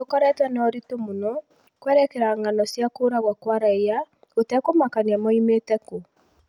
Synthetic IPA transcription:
okɔɾɛtwɛnɔɾitomonɔ | kwɛɾɛkɛɾaŋanɔsjakoːɾaɣwakwaɾaeja | otɛkomakaniamɔimetɛko

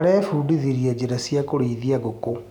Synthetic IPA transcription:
ɾɛːfuːdiðiɾiad͡ʑeɾasiakoɾiːðiaɣoko

